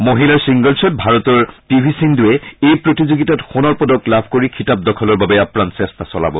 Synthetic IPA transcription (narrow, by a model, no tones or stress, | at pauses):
moɦilaɹsiŋɡɔlsɔt̚bʱaɹɔtɔɹtibʱisinduɛejpɹotizoɡitatxonɔɹpɔdɔklabʱkoɹikʰitap̚dɔkʰɔlɔɹbabɛapɹansɛstasɔla̰bɔ